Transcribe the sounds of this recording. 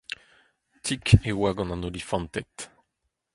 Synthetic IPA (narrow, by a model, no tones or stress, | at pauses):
t̪ʰikewaɡɑ̃nãnolifɑ̃nt̪ɛt̪